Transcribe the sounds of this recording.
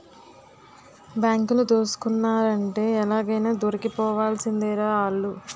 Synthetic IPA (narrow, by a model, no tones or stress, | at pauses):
bjaːŋkulut̪oːsu̥kunːaːɾɐɳʈe̞ːɛlaːɡɐjnaːd̪oɾɐkipɔːʋaːlsind̪iːɾaːaːɭːu